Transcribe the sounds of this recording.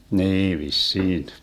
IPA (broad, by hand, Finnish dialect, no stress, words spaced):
niː ʋisːiːn